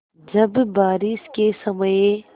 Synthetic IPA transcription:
d͡ʒɐbːaːɾiskesɐməje

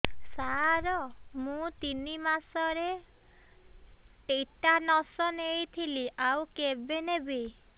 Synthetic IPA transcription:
saɾɔmũt̪inimasɔɾe | ʈejʈanɔsɔnejt̪ʰiliʔawkebenebe

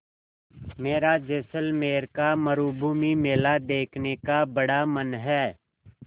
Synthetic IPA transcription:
meːɾaːd͡ʒeːsəlmeːɾkaːməɾuːbʱuːmimeːlaːd̪eːkʰnekaːbəɽaːmənɦɛː

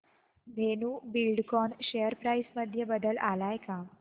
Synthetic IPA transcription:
bʱenubilɖkɔɳɕejəɾpɾajsməd̪ʱjəbəd̪əlʔalajka

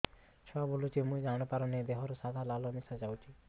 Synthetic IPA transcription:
t͡ʃʰɔabolut͡ʃʰimũid͡ʒañɔpaɾɔned̪eɦɔɾɔsad̪ʱalalɔmisad͡ʒawt͡ʃʰi

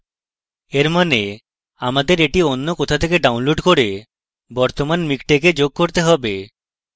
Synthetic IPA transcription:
eɾmɔne | amad̪eɾeʈionːokɔt̪ʰat̪ʰekeɖawnloɖkoɽe | bɔɾt̪omanmikʈeked͡ʒoɡ̚koɾt̪eɦɔbe

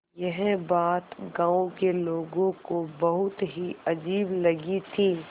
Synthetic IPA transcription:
jɐɦbaːt̪ɡãːõkeloːɡõkobɐɦʊt̪ɦiɐd͡ʒiːblɐɡit̪ʰiː

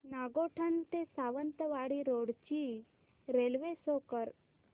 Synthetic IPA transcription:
naɡoʈʰant̪esaʋənt̪əʋaɽiɾoɽt͡ʃi | ɾelʋesokəɾ

